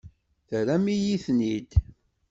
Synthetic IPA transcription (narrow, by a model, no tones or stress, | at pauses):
θəɾæmijiθnid̪